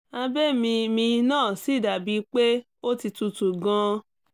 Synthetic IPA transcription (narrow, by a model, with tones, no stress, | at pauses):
a˧bɛ˦mĩ˧mĩ˧nãː˦˨si˨˦˨da˨bi˨˦k͡pe˦ | o˦ti˧tu˧tu˨ɡã˧˦